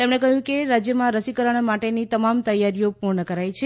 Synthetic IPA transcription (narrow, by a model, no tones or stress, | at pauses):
t̪emɳekəɦjũkeɾad͡ʒjəmãɾəsikəɾəɳ̃maʈenit̪əmamt̪əjːaɾijopuɾɳəkəɾajt͡ʃʰe